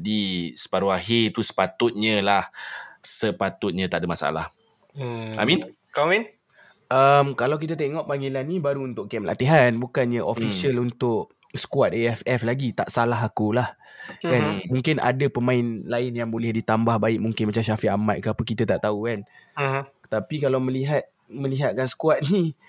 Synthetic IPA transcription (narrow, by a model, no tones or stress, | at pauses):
disə̥paɾuaɦit̪usə̥pat̪ʊt̪̚ɲə̃lahsəpat̪ʊt̪̚ɲə̃t̪aʔdəmasa̰la̰h | a̰mĩn | komɛn | ʔəmkalawk̬it̪at̪eŋɔʔpaŋilanĩbaɾuunt̪ʊʔkɛmla̰t̪iɦanbukanɲəʔofisiəlunt̪ʊʔ | sə̥kuat̪̚eɛfɛflaɡit̪aʔsalaɦakulahkanmũŋkɪnʔa̰dapəmãɪnlaɪnjaŋbolɛhdit̪ambahbaɪʔ̚muŋkɪnmat͡ʃamʃafiamat̪̚kaapəkit̪at̪aʔt̪aukan | t̪apikalawməliɦat̪̚ | mə̃liɦat̪̚kansə̥kuat̪̚ni